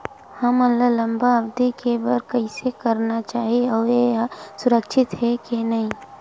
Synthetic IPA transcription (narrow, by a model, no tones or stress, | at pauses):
hɐmɐlːalɐ̃mbabd̪ikebɐɾkɐisekɐɾnat͡ʃaːɦieɔːɾjesʊɾəkʃɪt̪ɦɛkenɐɦĩ